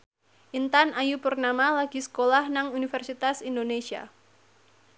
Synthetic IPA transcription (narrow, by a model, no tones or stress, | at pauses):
ʔint̪anajupʊrnamalaɡ̥isə̥kolahnaŋunifɛrsit̪asindonesia̰